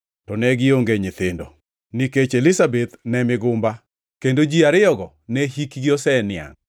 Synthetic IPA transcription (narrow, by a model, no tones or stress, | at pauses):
tɔnɛɡɪoŋɡeɲɪt̪ɪndɔ̰ | niket͡ʃelɪsabet̪nɛmɪɡʊmba | kendod͡ʒiaɾɪɔɡɔ | nɛɦikɡiosɛnɪa̰ŋ